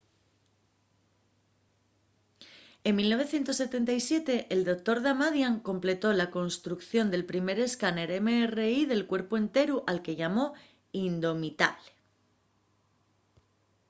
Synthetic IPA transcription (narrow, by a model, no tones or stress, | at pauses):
emmːilno̞βe̞θje̞nt̪o̞sːe̞t̪e̞nt̪ajsje̞t̪e̞ʔːld̪o̞k̚t̪o̞ɾðamaðjaŋko̞mple̞t̪o̞lako̞nst̪ɾukθjo̞nd̪e̞lpɾime̞ɾe̞skane̞ɾemeːre̞iðe̞lkwe̞ɾpoe̞nt̪e̞ɾuʔalke̞ʝamo̞ | ind̪o̞mit̪a̰βle̥